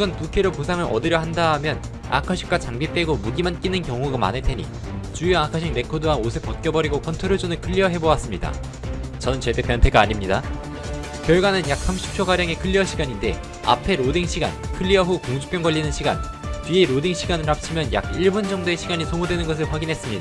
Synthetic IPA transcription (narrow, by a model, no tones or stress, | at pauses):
ɡʌnpukʰeɾoposʰaŋɯɾʔʌ̰diɾjʌɦandaɦːmjʌn | a̰kʰaɕʰi̥k͈wat͡ɕaŋbipt͈e̞ɡomuɡimank͈inɯnkjʌŋɦuɡama̰netʰe̞ɲḭ | t͡ɕujoakʰaɕʰiŋɾe̞kʰodɯwaosʰepʌt̚k͈jʌbʌɾiɡokʰʌntʰoɾod͡ʑonɯɭkʰɯʎːiʌɦe̞bowas͈ɯmɲida̰ | t͡ɕʌnɯnt͡ɕet͈ʰe̞pjʌntʰe̞ɡaːɲimɲida | kjʌɭɡwanɯnjak̚s͈ʰamɕʰi̥p̚t͡ɕʰoɡaɾjaŋe̞kʰɯʎːiʌɕʰiɡaɲinde̞ | a̰pʰe̞ɾodiŋɕʰiɡa̰nkʰɯʎːiʌɦukoŋd͡ʑu̥p͈jʌŋɡʌʎːinɯnɕʰiɡa̰n | t͡ɕɥieɾodiŋɕʰiɡanɯɾap̚t͡ɕʰimjʌnja̰kiɭbund͡ʑʌŋdoe̞ɕʰiɡaɲisʰoŋudwe̞nɯnɡʌs̬ʰɯɭɸwaɡinɦe̞s͈ɯmɲida